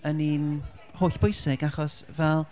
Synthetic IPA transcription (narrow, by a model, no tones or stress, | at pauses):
əniːn | hoːɬb̥ʊjsɪɡaχɔsvɛlˠ